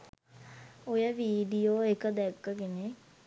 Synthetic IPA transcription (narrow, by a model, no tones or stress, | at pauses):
ojəʋiːɖijoːekəd̪ɛkːəɡene